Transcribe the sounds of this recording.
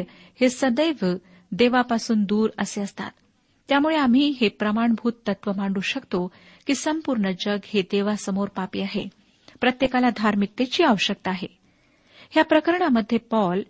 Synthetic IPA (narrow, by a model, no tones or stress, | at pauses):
hesəd̪əjʋ | d̪eʋapasuːnd̪uːɾəseəst̪a̰t̪ː | jamuɭeam̤iːɦepɾəmaɳbʱuːt̪ːət̪ʋəmaɳɖuɕəkt̪o | kiːsəmpuɾɳəd͡ʑəɡhed̪eʋasəmoɾpapḭːaɦḛ | pɾət̪jekalad̪ʱaɾmik̚t̪et͡ɕiːaʋəɕək̚t̪əaɦe | hjapɾəkəɾɳaməd̪ʱːjepɔl